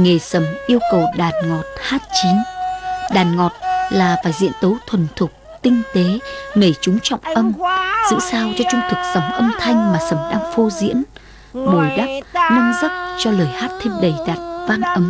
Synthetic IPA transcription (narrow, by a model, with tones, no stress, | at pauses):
ŋe˨˩sə˨˩mʔi˧əwkə˨˩wɗaː˨˩nŋɔ˨˩t̚haː˦˥t̚t͡ɕi˨˦ŋɗaː˨˩nŋɔ˨˩t̚laː˨˩faː˧˩jzḭ˧˥ənt̪ə˨˦wt̪ʰwə˨˩nt̪ʰʊ˨˩k͡p̚t̪ï˧ŋ̟t̪e˨˦me˧˩t͡ɕʊ˨˦ŋ͡mt͡ɕɔ̰˧˨wŋ͡mʔə˧mz̥ɨ̰˧˥saː˧wt͡ɕɔ˧t͡ɕʊ˧ŋ͡mt̪ʰɨ˨˩k̚sa˨˦wŋ͡mʔə˧mt̪ʰa˧jŋ̟maː˨˩sə˧˩mɗaː˧ŋfo˧zḭ˧˥ən | ɓo˨˩jɗa˦˥p̚nə˧nzə˦˥p̚t͡ɕɔ˧ləː˨˩jhaː˦˥t̚t̪ʰe˧mɗə˨˩jɗaː˨˩t̚vaː˧nʔə˨˦m